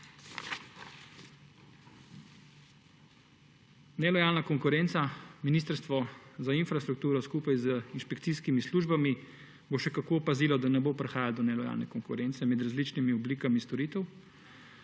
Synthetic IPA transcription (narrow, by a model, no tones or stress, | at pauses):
nɛlɔjaːlnakɔŋkʊɾɛnt̪saminiːst̪əɾst̪ʋɔzainfɾast̪ɾuk̚t̪uːɾɔskuːpajzəinʃpɛkt̪siːskimisluːʒbami | boʃɛkakoːpaziːlɔd̪anɛbopɾɛxaːjald̪ɔnɛlɔja̰ːlnɛ̰kɔŋkʊɾɛnt̪sɛmɛd̪ɾazlit͡ʃnimiɔbliːkamist̪ɔɾiːt̪ɛw